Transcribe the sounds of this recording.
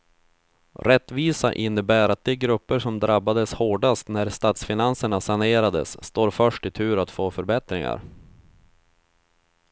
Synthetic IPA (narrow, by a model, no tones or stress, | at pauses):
ɾɛt̪ːviːsa̰ʔɪnːəbæːɾat̪̚d̪ɛɛɡɾɵpːəʂɔmd̪ɾabːad̪əshoːɖast̪næɾst̪aːt̪sfɪnansəɳasaneːɾad̪ə̰sːt̪oːɾfœʂʈɪt̪ʰʉ̟ːɾat̪foːfœɾbɛt̪ɾɪŋa̰ɾ